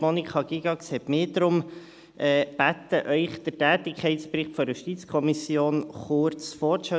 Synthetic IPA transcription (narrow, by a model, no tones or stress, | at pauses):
monikʰχɑɡ̥iɡɑkshɛtmɪːdɾʊm | ɛːb̥æt̪əʔœʏχd̪̥ətæːt̪ɪkʰχɛɪtsprɪχtfɔɾjuʃtitt͡skʰɔmisjoːnχʊɾt͡sfɔːʃɛ